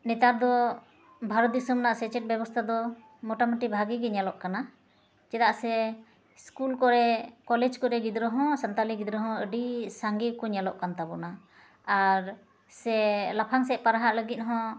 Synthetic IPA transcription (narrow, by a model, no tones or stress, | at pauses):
nɛt̪ad̪ɔ | bʱaɾɔt̪̚d̪isɔmnaʔsɛt͡ʃɛʈ̚bjɛbɔst̪ʰad̪ɔ | mɔʈamuʈibʱaɡiɡɛɲalɔʔkana | d͡ʒɛd̪aʔsɛ | skulkɔɾɛkɔlɛd͡ʒkɔɾɛɡid̪ɾəɦɔ̃sant̪aliɡid̪ɾəɦɔ̃əɖisaŋɡikɔɲalɔʔkant̪abɔna | aɾ | sɛlapʰaŋsɛʔ̚paɾaɦaʔləɡit̪̚ˀɦɔ̃